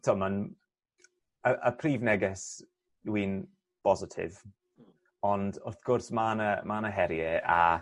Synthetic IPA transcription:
tʰoːman | əʔə̰pʰriːvnɛɡɛs | wiːn | b̥ɔzɪtʰɪ̰v | ɔndɔrθɡ̥ʊrsmanəmanəɦɛɾjɛʔa̰

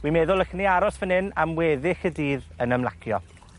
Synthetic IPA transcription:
wimɛðʊlˠəxəniaɾɔsvənɪnamwɛːðɪxədiːðənəmlˠa̰kʰjɔ̰

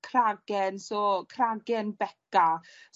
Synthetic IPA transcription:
kʰraɡ̥ɛnsɔːkʰraɡɛnbɛka

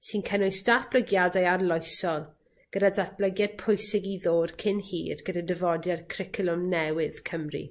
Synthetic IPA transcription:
sinkʰənʊjsd̥aθb̥ləɡjadajarlˠɔjsɔlˠ | ɡ̥ədadaθb̥ləɡjad̚pʰʊjsɪɡiðoːd̥kʰɪnhḭːrɡ̥ədadəvɔdjadkʰrɪkʰlˠʊmnɛwɪð̥kʰəmrḭ

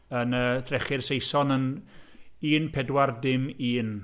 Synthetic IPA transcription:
ənəːθrɛχɪrsejsɔnən | iːnpʰɛdwardɪmiːn

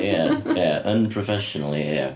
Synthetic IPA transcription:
jæjæʌ̃npʰɹ̥əfɛʃɨnl̩ˠijæ̰

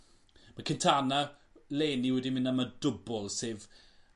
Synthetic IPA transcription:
makʰɪntʰana | leːniwɛdimɪnamədʊbɔlˠseːv

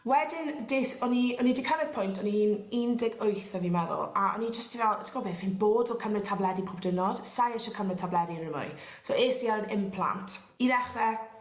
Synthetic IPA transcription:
wɛdɪndɪsɔniɔnidɪkʰəɾɪð̥pʰʊjntʰɔnihiːniːndɪɡojθəvimɛðʊ̰lˠaɔ̰nid͡ʒəstivɛlˠtʰɪ̥kɔbɛvinboːdɔkʰəmrɛtʰablˠɛdipʰɔbdɪnɔd̥sajɛʃɔkʰəmrɛtʰablɛdiɾɪmɔ̰j | soeːsialənɪmpʰlˠa̰ntʰ | iðɛχrɛ

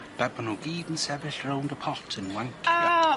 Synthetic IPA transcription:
b̥ɛbənuɡiːdən̩sɛvɪɬrowndəpʰɔtʰənwaŋkʰɪ

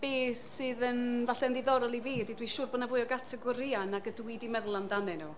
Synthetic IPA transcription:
b̥eːsːɨðənvaɬɛndɪðɔɾɔlˠiviːdidwiʃuːrbɔdnavʊɨɔɡatʰɛɡɔɾianaɡədwidimɛðlˠandamɨnu

